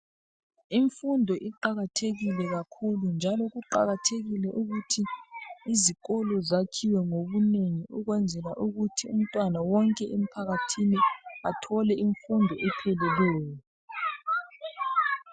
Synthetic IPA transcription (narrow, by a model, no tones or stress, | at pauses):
iɱfundʱɔʔiǃaɣatʰeɣilɛɣakʰulund͡ʒʱalɔɣuǃa̰ɣatʰeɣilɛʔuɣutʰiː | ziɣɔlɔzakʰiwɛŋoβuneŋiʔuɣwɛnd͡zʱɛlaʔuɣutʰium̩tʼwanawɔŋkʼɛʔem̩pʰaɣatʰiniatʰɔlɛʔiɱfundʱɔʔɛpʰɛlɛlɛːjɔ